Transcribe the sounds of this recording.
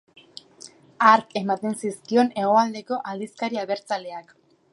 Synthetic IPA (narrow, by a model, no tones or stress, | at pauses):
aɾke̞mat̪e̞nsiskio̞ne̞ɣ̞o̞ald̪e̞ko̞ʔald̪iskaɾiaβe̞ɾt͡sale̞ak